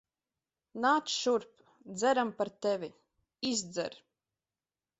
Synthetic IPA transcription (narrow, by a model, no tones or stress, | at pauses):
naːt̪sʃuɾp | d̪zɛɾampaɾt̪ɛvʲi | izd̪zɛ̰ɾ